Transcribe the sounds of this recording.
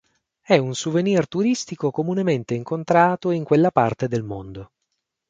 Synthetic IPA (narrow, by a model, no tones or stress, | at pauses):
ɛunsuvenirt̪uɾist̪ikokomunement̪eiŋkont̪ɾaːt̪oiŋkwelːapart̪ed̪elmond̪o